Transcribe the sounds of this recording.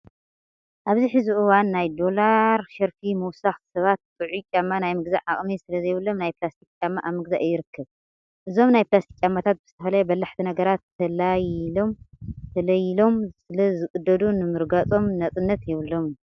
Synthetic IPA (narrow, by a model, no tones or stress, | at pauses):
ʔaβziħɨziʔɨwanːajd̪o̞laɾʃɐɾfimɨwsaxsɐβat̪t̪ʼɨʕut͡ʃʼamːanajmɨɡzaʕaχʼmisɨlɐzɐjβɨlːo̞mnajplast̪ʰikʼt͡ʃʼamːaʔaβmɨɡza̰ʔjːɪɾɨkʰːɐβ | ʔɨzo̞mnajplast̪ʰi̥kʼt͡ʃʼamːat̪ʰat̪̚bɨz̥ɨ̥t̪ʰɐfɐlajbɐlːaħt̪ʰinɐɡɐɾat̪ʰːɐlajlo̞mt̪ʰɐlɐjilo̞msɨlɐzɨkʼɨd̪ːɐd̪unɨmɨɾɡat͡sʼo̞mnɐt͡sʼɨnːɐt̪jɛβɨlːo̞mju